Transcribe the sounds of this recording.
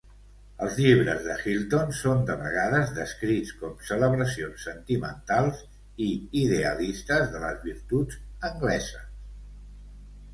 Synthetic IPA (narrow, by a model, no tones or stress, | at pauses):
əlˠzʎiβɾə̰zðəxilˠt̪onsond̪əβəɣaðəzðəskɾit͡skɔmsələβɾəsionsːənt̪imə̰nt̪alˠz | iiðeəlist̪əzðələzβiɾt̪ud͡zəŋɡlɛzəs